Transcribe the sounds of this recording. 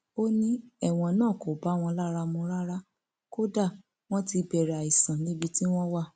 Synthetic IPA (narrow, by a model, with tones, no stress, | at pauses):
o˦nĩ˦ɛ˦˨w̃ɔ̃˧nãː˦˨ko˨ba˨˦w̃ɔ̃˧la˦ɾa˧mũ˧ɾa˦ɾa˦ | ko˦da˦˨ | w̃ɔ̃˦ti˧bɛ˨ɾa˨i˨sã˨nĩ˨˦bi˧ti˦w̃ɔ̃˦wa˦˨